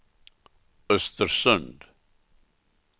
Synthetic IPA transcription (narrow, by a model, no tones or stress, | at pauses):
əst̪əɾsə̃nd